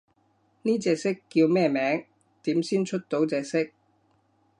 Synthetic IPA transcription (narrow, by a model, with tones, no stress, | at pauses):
niː˥t͡sɛː˧k̚sɪ˥kːiː˧wmɛː˥˩mɛː˨˥ŋ | t̪iː˨˥msiː˥nt͡ʃʰɵ˥t̚t̪o˨˥wt͡sɛː˨k̚sɪ˥k̚